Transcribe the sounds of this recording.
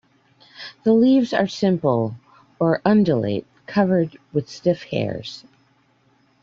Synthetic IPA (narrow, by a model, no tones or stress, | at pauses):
ðəlivzə̰˞sɪ̃mpl̩ˠ | ə˞ʔʌ̃ndəlḛɪt̚kʰʌvə˞d̚wɨð̥stɪfhɛ̰ɹz̥